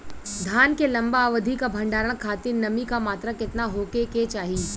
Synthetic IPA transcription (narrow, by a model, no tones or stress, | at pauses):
d̪ʱaːnkelɐ̃mbaːʋəd̪ʱikabʱɐ̃ɳɖaːɾəɽ̃kʰaːt̪inɐmikamaːt̪ɾakɪt̪naɦoːkeket͡ʃaːɦi